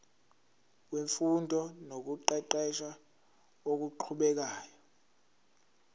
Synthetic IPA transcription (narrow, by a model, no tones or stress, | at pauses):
weɱfundʱɔnok̬uǃɛǃɛʃa | ok̬uǃʰuɓɛk̬aːjɔ